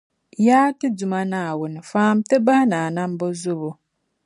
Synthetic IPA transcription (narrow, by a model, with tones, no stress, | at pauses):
jaː˦tɪ˦d͡zu˨mã˦nã˨wʊ˨nɪ˨faː˦m˦te˦ba˦nã˨nã˦m˦bɔ˦zʊ˦bo˨